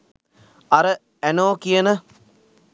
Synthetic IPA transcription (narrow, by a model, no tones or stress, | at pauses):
ɐɾə | ænoːkijənə